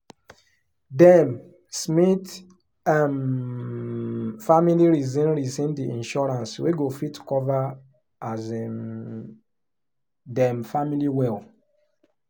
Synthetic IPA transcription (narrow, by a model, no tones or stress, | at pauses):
dɛm | smit | am | familiɹizĩnɹisĩndiʔĩnʃɔɹãnsweɡofitkɔva | azɛ | dɛ̃mfamiliwɛl